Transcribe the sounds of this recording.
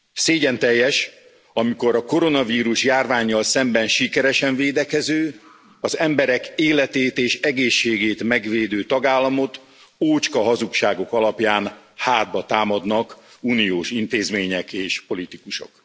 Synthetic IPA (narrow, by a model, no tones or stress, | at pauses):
seːɟɛnt̪ɛjːɛʃ | ɒmiko̞ɾɒko̞ɾo̞nɒviːɾuʃjaːrvaːɲːɒlsɛmbɛnʃikɛɾɛʃɛɱveːd̪ɛkɛzøː | ɒzɛmbɛɾɛkeːlɛt̪eːt̪eːʃɛɡeːʃːeːɡeːt̪mɛɡveːd̪øːt̪ɒɡaːlːɒmo̞t̪ | oːt͡ʃkɒɦɒzukʃaːɡo̞kɒlɒpjaːnhaːd̪̚bɒt̪aːmɒd̪nɒkunioːʃint̪eːzmeːɲɛkeːʃpo̞lit̪ikuʃo̰k